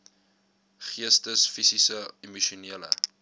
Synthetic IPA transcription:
χiəstəsfisisəimuʃuniələ̰

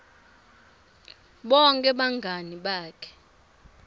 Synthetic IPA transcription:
ɓɔŋkʼɛɓaŋɡʱaniɓaːkʰɛ̥

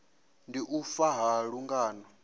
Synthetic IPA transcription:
ndiʔufaɦaɺuŋɡaːnɔ

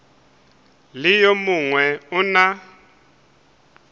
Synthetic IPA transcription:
lɪjomuŋwɛʊna

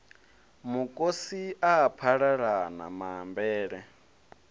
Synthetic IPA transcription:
mukʼosiaːpʰaɺaɺana̰mambɛːɺɛ

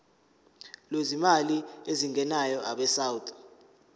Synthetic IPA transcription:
lwezimalieziŋʱɛnajɔʔa̰ɓɛsawutʼɔ̥

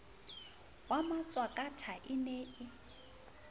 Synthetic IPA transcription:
wamat͡sʼwakʼatʰaʔɪneʔɪ

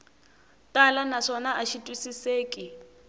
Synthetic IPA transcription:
tʼalanaʂɔnaʔaʃitʼwisiseːkʼi

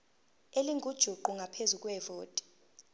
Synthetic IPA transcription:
eliŋɡʱud̥ʒ̥ʱuǃuŋɡʱapʰezukʼwɛvoːtʼi̥

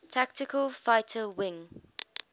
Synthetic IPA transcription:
tʰak̚tɪkʰəlˠfaɪtʰəwɪ̃ŋ

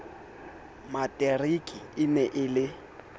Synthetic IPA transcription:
matʼɛrikʼiɪnɛʔɪlɪ

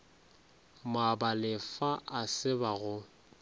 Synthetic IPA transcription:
mabalɪfaasɪbaɣʊ

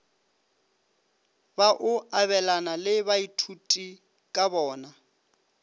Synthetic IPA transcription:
baʔʊaβɛlanalɪβaitʰutʼi | kʼabɔːna

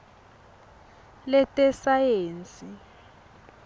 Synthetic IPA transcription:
lɛtʼɛsajeːnt͡sʼi

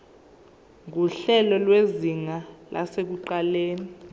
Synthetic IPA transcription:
ŋuɬɛlɔlweziŋalʔa̰sek̬uǃaleːni

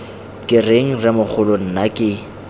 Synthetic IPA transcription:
kʼɪreŋ̩rɪmʊk͡xʰʊlon̩nakʼɪ

